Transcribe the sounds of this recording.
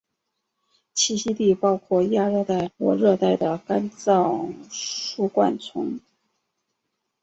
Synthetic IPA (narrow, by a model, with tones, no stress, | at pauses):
t͡ɕʰi˥˩ɕi˥t̪i˥˩pɑ˥ʊkʰwɔ˥˩ja˥ɻɤ˥˧t̪a˥˩ɪlwɔ̰˧˥ɻɤ˥˧t̪a˥˩ɪd̪ə˩ka˥nt͡sɑ˥˩ | ʂu˥˩kwa̰˥˩nt͡sʰʊ˧˥ŋ